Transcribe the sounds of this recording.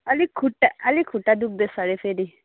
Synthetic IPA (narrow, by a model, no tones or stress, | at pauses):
ɐlikʰuʈːaɐlikʰuʈːad̪uk̚d̪esaɾepʰeɾi